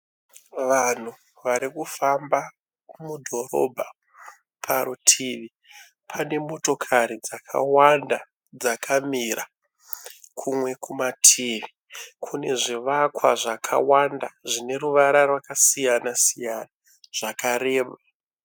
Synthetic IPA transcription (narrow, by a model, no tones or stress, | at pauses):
ʋan̤u | ʋaɾikufamba | mudʱo̞ro̞̰bʱa | pʰaɾutʰiʋi | pʰane̞mo̞to̞kʰaɾid͡zakʰa̰wanda | d͡zakʰamira | kʰumwe̞kʰumatʰiːʋi | kʰune̞ʐiʋakwaʐakʰa̰wandaʐine̞ruʋaɾarwakasijanasijana | ʐ̥akaɾe̞ːma